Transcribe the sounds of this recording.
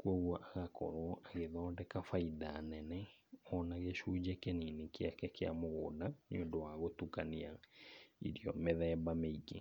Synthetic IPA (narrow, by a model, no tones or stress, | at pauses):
kuɔɣwɔʔaɣakɔ̰ɾwɔʔaɣɛðɔːndɛkafaidanɛnɛɔnaɣɛɕud͡ʑɛkɛninikeakɛkea̰moɣoːdaneondowaɣotukania | ḭɾiɔmeðɛːbameike